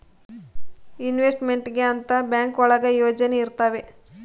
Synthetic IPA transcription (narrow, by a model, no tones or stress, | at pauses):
inʋesʈme̞ɳʈɡeɐnt̪ɐbjaːŋkɔɭɐɡɐjoːd͡ʒɐne̞iɾt̪ɐːʋe̞